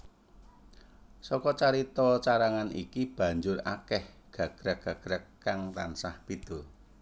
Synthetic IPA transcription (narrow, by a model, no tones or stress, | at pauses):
sɔkɔt͡ʃaɾit̪ɔt͡ʃaɾaŋanḭkib̥ä̤ɲd͡ʒʊra̰kɛh | ɡ̥a̤ɡ̥ɾəɡ̥a̤ɡ̥ɾəkː | aŋt̪ansahpid̪̥ɔ̤